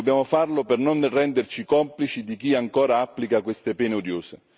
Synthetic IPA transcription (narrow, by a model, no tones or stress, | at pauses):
objaːmʊfarlʊpernonrɛnd̪ert͡ʃikɔmplit͡ʃid̪ik̟iaŋkɔːɾaapːlikakwest̪epɛːneod̪joːse